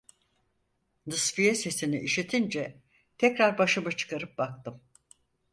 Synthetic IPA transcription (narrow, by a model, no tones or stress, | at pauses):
nɯsfijɛse̞siniʔiʃit̪ʰind͡ʒɛ | t̪ʰɛcɾaɾbaʃɯmat͡ʃʰɯ̥kaɾɯp̚bak̚t̪ʰɯm